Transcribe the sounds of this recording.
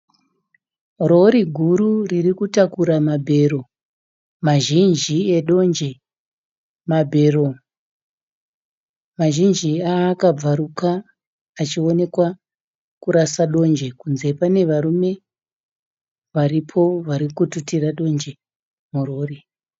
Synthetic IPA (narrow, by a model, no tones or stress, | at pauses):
ro̞ɾiɡʱuɾuririkutakuɾamabʱe̞ːro̞ | maʒind͡ʒieɗo̞nd͡ʒe | mabʱe̞ːro̞ | maʒind͡ʒiakab͡vaɾukaː | t͡ʃione̞kwa | kuɾasaɗo̞nd͡ʒe̞kunze̞pane̞ʋaɾume̞ | ʋaripʰo̞ʋaɾikututiraɗo̞nd͡ʒe̞ | muro̞ːri